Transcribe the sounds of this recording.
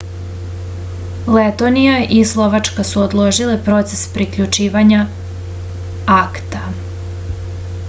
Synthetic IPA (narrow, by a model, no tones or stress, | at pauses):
let̪o̞nijaʔislˠo̞ʋat͡ʃkasuod̪lˠo̞ʒilepɾo̞t̪se̥spɾikʎut͡ʃiːʋaɲa | akt̪a